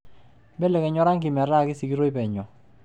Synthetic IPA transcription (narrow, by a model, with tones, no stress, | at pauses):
bɛ˦lɛ˨kɛ˨ɲɔ˦ɾa˦ŋki˨ma˨ɾa˦˨kɪ˦si˨ki˦ɾo˦i˦pɛ˨ɲɔ˨